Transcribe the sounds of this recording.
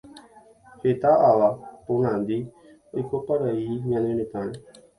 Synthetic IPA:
het̪aʔaʋaponãnd̪i | ojkopaɾaiɲãnẽnet̪ãnẽ

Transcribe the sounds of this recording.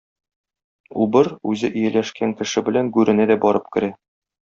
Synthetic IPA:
ubɤɾʉzɘʔɵ̆jælæʃkæŋkɘ̆ʃɘbɘ̆læŋɡʉɾʔɘ̆næd̪æbɒɾɤp̚kɘ̆ɾæ

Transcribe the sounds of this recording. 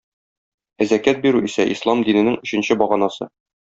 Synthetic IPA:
æzækæt̪̚biɾʉisæʔislˠɑmd̪inɘ̆nɘŋɵ̆ɕɘ̆nɕɘbɒʁɑnɑsɤ̰

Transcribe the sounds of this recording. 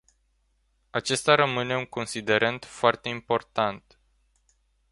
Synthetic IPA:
at͡ʃe̞st̪aɾəmɨne̞uŋko̞nsid̪e̞ɾənt̪foart̪e̞impo̞rt̪ant̪

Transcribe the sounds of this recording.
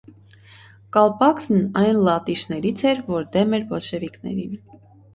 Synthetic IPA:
kɑlpɑksnɑjnlɑt̪iʃnɛɾit͡sʰɛɾvɔɾd̪ɛmɛɾvɔt͡ʃʰɛviknɛ̰ɾin

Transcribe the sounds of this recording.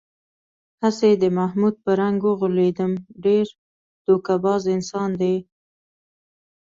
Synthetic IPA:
hased̪əmahmud̪̚pəɾaŋɡwəɣuled̪əmɖeɾ | d̪̥okabɑzɪnsɑnd̪e

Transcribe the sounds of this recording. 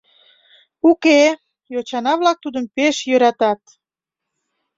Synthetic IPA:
uke | jot͡ɕɑnɑβlɑk̚t̪ud̪əmpeʃjøɾɑt̪ɑt̪̚

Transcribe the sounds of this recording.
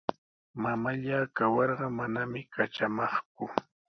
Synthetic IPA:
mamaʎaːkawɑɾɢɑmanamɪkat͡ʃamɑχk̚ʊ

